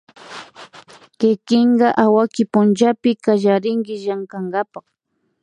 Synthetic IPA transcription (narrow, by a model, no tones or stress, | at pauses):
kɪkɪɴɢɑʔawakɪpʊnt͡ʃapɪkaʒaɾɪŋkɪʒaŋkaŋɡɑpɑχ